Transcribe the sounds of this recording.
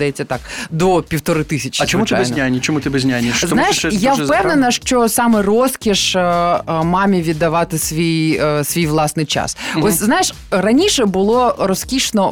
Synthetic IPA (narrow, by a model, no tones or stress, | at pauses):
d̪ɐjɛt͡sʲːɐt̪ɑkd̪ɔpʲiwt̪ɔɾɪt̪ɪsʲɐt͡ʃʲzt͡ʃɔmutɪabɛjnznʲajnʲit͡ʃɔmut̪ɪbɛzʲnʲajnʲiznajɪʃjapɛʋnenɐʃt͡ʃɔsɑmɛrɔskʲiʃ | mɑmʲiʋʲid̪ːɐʋɑt̪ɪsʋʲijsʋʲijʋlˠɑsnɪjt͡ʃɑ̰sɔsʲznajɪʃ | rɐnʲiʃɛbʊlˠɔɾɔskʲiʃnɔ